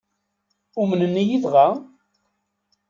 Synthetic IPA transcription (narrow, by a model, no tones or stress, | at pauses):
umənənːijiðʁa